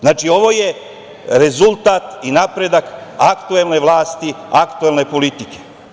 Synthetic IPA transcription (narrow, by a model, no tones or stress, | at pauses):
znaːt͡ʃio̞ʋo̞je̞ | ɾe̞zulˠt̪aːt̪inapɾed̪akakt̪uelˠne̞ʋlˠaːst̪iakt̪ue̞lne̞po̞lit̪ike̥